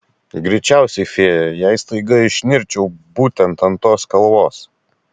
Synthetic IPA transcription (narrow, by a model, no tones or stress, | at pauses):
ɡɾʲɛɪt͡ʃʲæˑʊsʲɛɪfʲeːjɛjɛˑɪst̪ɐɪɡɐɪʃʲnʲɪɾʲt͡ʃʲɛʊbuːt̪ʲɛnt̪ɐnt̪oːskɐlˠʋoːs